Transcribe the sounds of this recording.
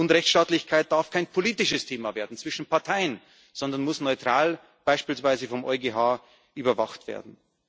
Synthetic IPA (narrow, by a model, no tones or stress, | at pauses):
ʊntʁɛçsʃtaːtlɪçkʰaɪt̚d̥aɐfkʰaɪnpʰoliːtɪʃəstʰeːmaveːɐdn̩t͡sv̥ɪʃn̩pʰaɐtʰaɪən | z̥ɔndɐnmʊsnɔʏtʁ̥aːl | b̥aɪʃpiːlsv̥aɪzəfɔmʔɔʏɡeɦaː | ʔyːbɐvaχtv̥ḛːɐdn̩